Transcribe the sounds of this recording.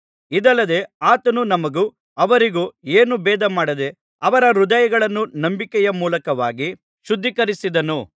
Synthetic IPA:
id̪ɐlːɐd̪e̞aːt̪ɐnunɐmɐɡu | ɐʋɐɾiɡueːnubɛːd̪ɐmaːɽɐd̪e̞ | ɐʋɐɾɐɾud̪ɐjɐɡɐɭɐnːunɐmbikɛjɐmuːlɐkɐʋaːɡi | ʃud̪ʱːikɐɾisid̪ɐnu

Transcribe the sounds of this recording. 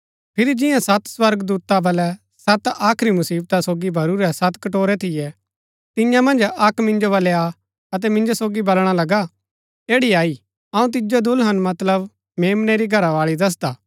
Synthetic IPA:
pʰɪɾid͡ʒɪ̃jãsɐt̪swɐɾɡd̪uːt̪abɐlɛ | sɐt̪aːkʰɾimʊsiːb̚t̪asoːɡibʱɐɾuɾɛsɐt̪kɐʈoːɾɛt̪ʰɪjɛ | t̪ɪ̃jãmɐ̃nd͡ʒɐkmɪ̃nd͡ʒobɐlɛa | ɐt̪̬ɛmɪ̃nd͡ʒosoːɡibɐlɽ̃alɐɡa | eːɽiaːi | ɐũt̪̬ɪd͡ʒod̪ʊlɦɐnmɐt̪ləb | meːmnɛɾiɡʱɐɾaʋaːɭid̪ɐs̬d̪aː

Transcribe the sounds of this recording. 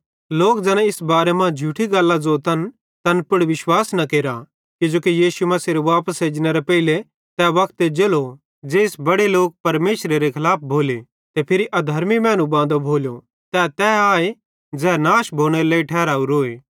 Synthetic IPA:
loːkd͡zɛːñɛ̃ɪsbaːɾemãd͡ʒʱuːʈʰiɡɐlːad͡zot̪ɐn | t̪ɐnpʊɽʋɪʃwaːsnɐkeːɾa | kɪd͡ʒoːkijiːsumɐsiɾeʋaːpəsɦeːd͡ʒñɛɾepɛile | t̪ɛʋɐkʰt̪ed͡ʒelo | d͡ʒeːɪsbɐɽeloːk̚pɐɾmeːʃɾeɾekʰɪlaːp̚ʰbʱoːle | t̪epʰɪɾiʔɐd̪ʱɐɾmimɛ̃ːñũbãːnd̪obʱoːljo | t̪ɛt̪ɛːaːe | d͡zɛːnaːʃbʱoːɽ̃eɾleːiʈʰɛːɾaːuɾoːeː

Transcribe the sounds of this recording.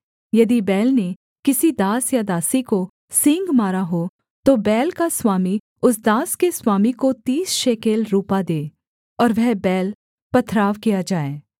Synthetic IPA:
jɐd̪ibɛːlne | kɪsid̪aːsjad̪aːsiko | sɪ̃ŋɡmaːɾaɦo | t̪obɛːlkaswaːmi | ʊsd̪aːskeswaːmikot̪iːsʃeːkeːlɾuːpad̪eː | ɔːɾʋɛɦbɛːl | pɐt̪ʰɾaːʋkijad͡ʒaːeː

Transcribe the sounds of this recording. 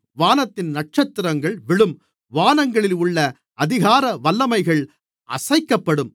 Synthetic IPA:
ʋaːnɐt̪ːɪnnɐʈ̚t͡ʃɐt̪ːɪɾɐŋɡɐɭʋɪɭɯm | ʋaːnɐŋɡɐɭɪlʊɭːɐ | ɐðɪɣaːɾɐʋɐlːɐmɐɪɣɐɭ | ʔɐ̰sɐɪkːɐpːɐɽɯm

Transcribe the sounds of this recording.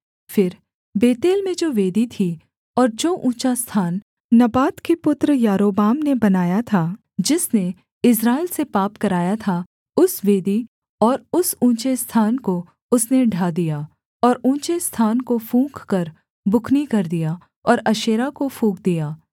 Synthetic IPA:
fɪɾ | beːt̪eːlmẽd͡ʒoːʋeːd̪it̪ʰi | ɔːɾd͡ʒoːʔũːt͡ʃast̪ʰaːn | nɐbaːt̪kepʊt̪ɾəjaːɾoːbaːmnebɐnaːjat̪ʰaː | d͡ʒɪsne | ɪs̬ɾaːelsepaːpkɐɾaːjat̪ʰa | ʊsʋeːd̪i | ɔːɾʊsũːt͡ʃest̪ʰaːnko | ʊsneɖʱaːd̪ijaː | ɔːɾũːt͡ʃest̪ʰaːnkofũːkkɐɾ | bʊkʰnikɐɾd̪ija | ɔːɾɐʃeːɾakofũːk̚d̪ijaː

